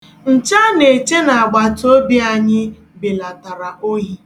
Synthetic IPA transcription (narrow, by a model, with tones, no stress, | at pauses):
n̩˨t͡ʃa˦ne˨t͡ʃe˦na˨a˨ɡ͡ba˨to˦bi˦a˨ɲɪ˦ | be˨la˨ta˨ɾa˨o˦ɣi˦